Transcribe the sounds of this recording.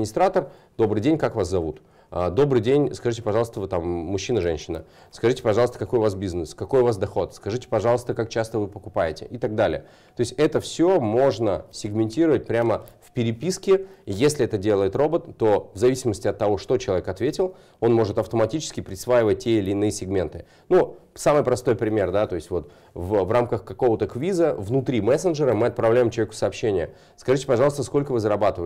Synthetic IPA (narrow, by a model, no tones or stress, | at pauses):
mʲɪnʲɪst̪ɾat̪ər | d̪o̞bɾɨjdʲenʲkakvaszɐvut̪ | əd̪o̞bɾɨjdʲenʲskɐʐɨtʲɪpɐʐɑlˠəst̪əvɨt̪amːʊɕːinəʐɛnʲɕːɪnə̰ | skɐʐɨtʲɪ̥pɐʐɑlˠəst̪əkɐko̞jʊvasbʲiznɨskɐko̞jʊvasd̪ɐxo̞t̪skɐʐɨtʲɪ̥pɐʐɑlˠəst̪əkak̚t͡ɕast̪əvɨpəkʊpajɪtʲɪ̰ʔɪt̪aɡ̚d̪alʲɪ̰jə | t̪oɪsʲtʲɛt̪əfsʲomo̞ʐnəsʲɪɡmʲɪnʲtʲiɾəvət̚ʲpɾʲaməfpʲɪɾʲɪpʲiskʲɪjesʲlʲɪɛt̪ədʲe̞lˠəjɪt̪ro̞bət̪ːo̞vzɐvʲisʲɪməsʲtʲɪɐt̪ːɐvo̞ʂt̪o̞t͡ɕɪlˠɐvʲekɐt̪vʲetʲɪlˠ | o̞nmo̞ʐɨt̪ɐft̪əmɐtʲit͡ɕɪ̥skʲɪpɾʲɪsvajɪvət̚ʲtʲːeɪlʲɪːnɨjəsʲɪɡmʲe̞nt̪ɨ | nusamɨjpɾɐst̪ojpɾʲɪmʲe̞rd̪at̪o̞ɪsʲtʲvo̞t̪ | vəvramkəxkɐko̞vət̪əkvʲizəvnʊt̪ɾʲimɛsənʐɨɾəmɨɐt̪̚pɾɐvlʲæjɪmt͡ɕɪlˠvʲekʊ̥sɐːpɕːenʲɪjə | skɐʐɨtʲɪ̥pɐʐɑlˠst̪əsko̞lʲkəvɨzəɾɐbat̪ɨvə